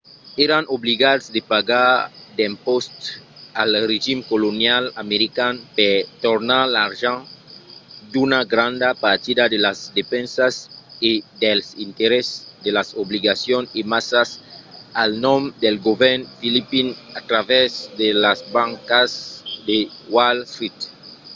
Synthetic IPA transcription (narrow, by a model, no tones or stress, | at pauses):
eɾanʔoβliɣad̪sd̪epaɣaɾd̪ẽmpost̪alreʒimkolonjalameɾikanpet̪oɾnaɾlaɾʒãŋ | d̪unaɡɾãnd̪apaɾt̪iðaðelazd̪efɛ̃nsasid̪elsint̪eɾesd̪elasoβliɣasjonimasasalnɔ̃md̪elɡoβɛɾnfilipinat̪ɾavezd̪elazbãŋkasd̪ewalsɾit̪